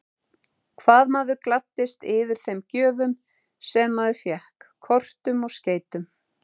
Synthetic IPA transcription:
kʰvaːðmaːðʏklat̪ːɪst̪ɪːvɪɾ̥θejmcœːvʏm | sɛmːaðʏfjɛhkkʰːɔr̥t̪ʏmɔɣsceːjt̪ʏm

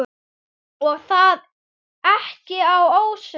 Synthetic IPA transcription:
ɔθað | aħcɪawowʃɪ

